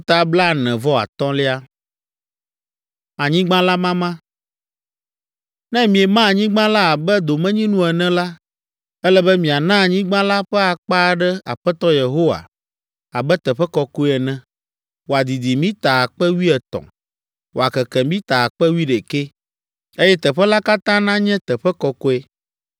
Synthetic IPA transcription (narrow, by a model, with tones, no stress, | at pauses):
t̪a˨bla˦nɛ̃˨vɔ˦a̰˨t̪ɔ̃˦le˦a˦ | a˨ɲĩ˦ɡ͡bã˦la˦mã˦mã˦ | nɛ̃˦mĩ˨ɛ˨mã˦˨ɲĩ˦ɡ͡bã˦la˦a˨bɛ˦d̪o˨mɛ̃˦ɲĩ˦nũ˦ɛ˨nɛ̃˦la˦ | ɛ˦lɛ˦bɛ˦mĩ˨a˨nã˦˨ɲĩ˦ɡ͡bã˦la˦ɸɛ˦a˨k͡pa˦ɖɛ˦a̰˨ɸɛ˦t̪ɔ˦je˨ɦo˦wa̰˨ | a˨bɛ˦t̪ɛ˨ɸɛ˦kɔ˦ko˦ɛ˨nɛ̃˦ | wo˨a˨d̪i˨d̪i˨mĩ˦t̪a˨a˨k͡pɛ˦wi˦ɛ˨t̪ɔ̰̃˨ | wo˨a˨kɛ˨kɛ̃˨mĩ˦t̪a˨a˨k͡pɛ˦wi˦ɖɛ˨ke˦ | e˦jɛ˦t̪ɛ˨ɸɛ˦la˦ka˦t̪ã˦nã˦ɲɛ̃˦t̪ɛ˨ɸɛ˦kɔ˦ko˦ɛ˦